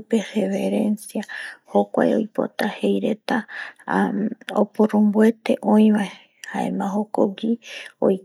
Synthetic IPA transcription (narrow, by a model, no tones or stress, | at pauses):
peheβe̞ɾensjahokʷa̰jo̰jpo̞̰t̪ahejɾe̞t̪a | o̰poɾõmbue̞t̪e̞ʔõĩβae | haḛmãɦokoɡio̰j